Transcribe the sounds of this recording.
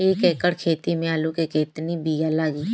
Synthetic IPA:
eːkɛːkəɽkʰeːt̪imẽalukeket̪nibijalaːɡiː

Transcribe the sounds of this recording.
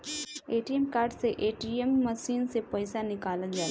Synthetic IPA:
eːʈijemkaːɾɖseʔeːʈiemːəʃiːnsepɐɪsanɪkaːlət̪d͡ʒaːl

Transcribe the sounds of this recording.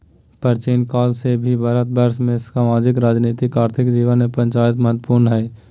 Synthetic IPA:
pəɾt͡ʃinkaːlsebʱibʱəɾət̪̚bəɾʃmẽsaːmaːd͡ʒɪkɾaːd͡ʒniːt̪ɪkaːɾt̪ʰɪkd͡ʒiːʋənmẽpɾə̃nt͡ʃaːjɪt̪̬məɦət̪wəpuːɾnɦɛː

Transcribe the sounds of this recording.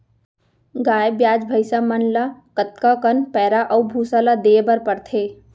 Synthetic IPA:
ɡaːjebjaːd͡ʒbʱəɪsamənlakət̪̚kakənpɛːɾaʔɔːbʱuːsalad̪eːbəɾpəɾt̪ʰeː

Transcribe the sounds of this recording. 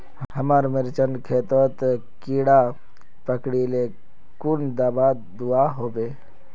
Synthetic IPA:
hhəmaɾmɪɾt͡ʃənkʰeːt̪ot̪ | kiɽa | pəkɽile | kund̪aːba | d̪uaɦoːbeː

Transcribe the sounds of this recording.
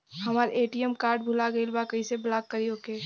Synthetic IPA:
hɐmaːɾeːʈiəmkaːɾɖbʱulaɡəilbakəĩseblakːəɾiokeː

